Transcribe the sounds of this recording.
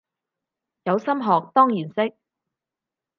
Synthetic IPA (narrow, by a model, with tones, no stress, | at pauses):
jɐ˨˧wsɐ˥mɦɔː˨k̚t̪ɔː˥ŋjiː˨˩nsɪ˥k̚